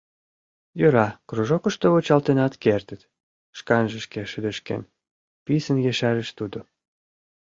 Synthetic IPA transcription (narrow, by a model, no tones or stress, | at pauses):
jøɾɑkruʒokəʃt̪oβot͡ɕɑlt̪enɑt̪kert̪ət̪ | ʃkɑnʒə̆ʃkeʃəd̪ə̆ʃkḛn | pisənjeʃæɾeʃt̪ud̪o